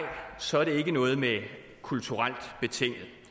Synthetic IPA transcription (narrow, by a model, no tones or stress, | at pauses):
ɪsɒ̽æɐɾ̥e̝e̝ɡ̥ənɔ̽ːð̩ˠme | kʰult͡sʰuʁal̰d̥b̥e̝t͡sʰeŋ̰̥ð̩ˠ